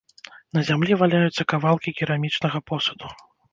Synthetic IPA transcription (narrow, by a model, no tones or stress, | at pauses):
nɐzʲamlʲivalʲajut̪sːɐkavalˠkʲikʲiɾamʲit͡ʂnɐɣɐpɔsɐd̪u